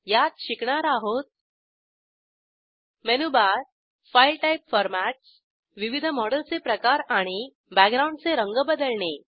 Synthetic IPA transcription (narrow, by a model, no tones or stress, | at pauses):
jat̪ɕikɳaɾaɦot̪̚ | menubaɾ | fajlʈaipfɔɾmæʈs | ʋiʋid̪ʱəmɔɽəlt͡sepɾəkaɾaɽ̃i | bækɡɾawɳɖt͡seɾəŋɡbəd̪əlɳe